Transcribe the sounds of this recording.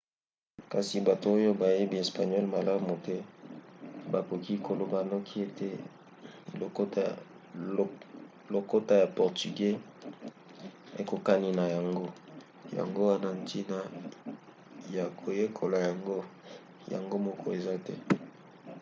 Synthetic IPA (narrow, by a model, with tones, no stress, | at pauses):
ka˨si˨ba˨to˨o˦jo˦ba˨je˦bi˦e˨spa˨ɲjɔ˦lma˨la˦mu˨tɛ˦ | ba˨ko˨ki˦kʰo˨lo˨ba˨nɔ˦kʰi˦e˦te˦ | o˨k | lo˨ko˦ta˦ja˨pɔ˨ʁty˨ɡe˦ | e˨˦ko˨ka˦ni˨na˨ja˨ŋɡo˦ | ja̰˨ŋɡo˦wa˦na˦n˦tʰi˦na˦ | ja˨kʰo˨je˦kʰo˨la˨ja˨ŋɡo˦ | ja̰˨ŋɡo˦mɔ˦kʰɔ˦e˨za˦tɛ˦